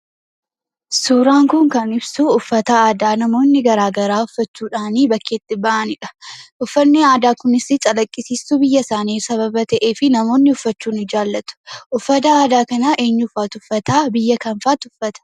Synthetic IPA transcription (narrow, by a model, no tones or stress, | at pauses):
suːɾaːŋkʊŋkɐnɪbsuʊfːɐt̪ɐaːd̪aːnɐmo̞ːnːɪɡɐɾaːɡɐɾaːʊfːɐt͡ʃːuːᶑaːniːbɐkːeːt̪ːɪbɐʔɐnɪᶑɐ̥ʔʊfːɐnːɪaːd̪aːkʊnɪsɪt͡ʃʼɐlɐkʼːɪsiːsːubɪjːɐsaːniːsɐβɐbɐt̪ɐʔe̞ːfɪnɐmo̞ːnːɪʊfːɐt͡ʃːuːnɪd͡ʒaːlːɐt̪ʊ̥ʔʊfːɐt̪ɐaːd̪aːkɐnɐʔe̞ːɲːʊfaːt̪ʊfːɐt̪aːbɪjːɐkɐnfaːt̪ʊfːɐt̪ɐ̥